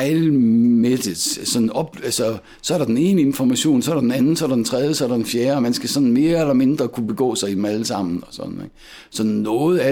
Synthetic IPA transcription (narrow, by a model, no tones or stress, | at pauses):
lmed̥ə̥sɒ̽nɒ̽b̥æsɒ | sɒ̽æɐɾ̥ɑ̈d̥ene̝ːnəe̝nfɒmæɕo̝̰ːnsɒɐɾ̥d̥enænn̩sɒ̽æɐɾɑ̈d̥ent͡sʰʁɛð̞ˠjəsɒ̽æɐɾ̥ɑd̥enfjeːɐɒmænsɡ̥æsɒ̽nn̩me̝ːɐelɐme̝nd̥ʁɐkʰub̥e̝ɡ̥ɔ̰̽ːsɑ̈ɪidmæləsɑ̈m̰n̩ɒ̽sɒ̽n̰n̩ḛɡ̥ | sɒ̽nːɔ̽ːð̩ˠæ